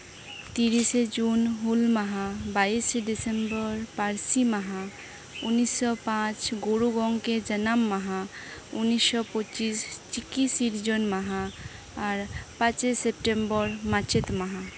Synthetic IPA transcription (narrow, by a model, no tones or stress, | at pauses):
t̪iɾised͡ʒunɦulməɦabaiseɖisembəɾpaɾsiməɦa | unːisːɔpãt͡ʃɡoɾuɡɔŋɡked͡ʒənamːəɦaunːisːɔpɔt͡ʃist͡ʃikːisiɾd͡ʒonməɦaː | ɾpãt͡ʃesep̚ʈembəɾmat͡ʃet̪məɦa